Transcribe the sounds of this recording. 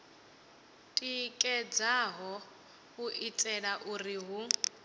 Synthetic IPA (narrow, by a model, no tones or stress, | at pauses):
tʼikʼɛd͡zaɦɔ | kuʔitʼɛɺaʔuriɦu